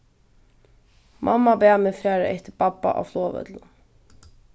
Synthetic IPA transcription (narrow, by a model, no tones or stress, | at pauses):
mʔɑ̰mɑbeæːmefɾæːɾəʔɛ̰t̪əbɑpɑ̰ʔɑ̰ːfloːʋə̰d̪l